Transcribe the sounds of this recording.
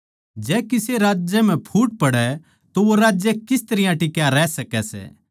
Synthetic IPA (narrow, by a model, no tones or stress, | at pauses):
d͡ʒɛːkɪseɾaːd͡ʒjɛm̤ɛ̃pʰuːʈ̚pɐɽɛ | t̪oʋoɾaːd͡ʒjɛkɪst̪ɐɾɪjãʈɪkjaɾɛːsɐkɛsɛ̰ː